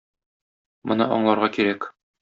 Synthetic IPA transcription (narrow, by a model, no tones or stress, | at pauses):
mɤ̆nɤ̰ʔɒ̰ɴlˠɑɾʁɑkiɾæk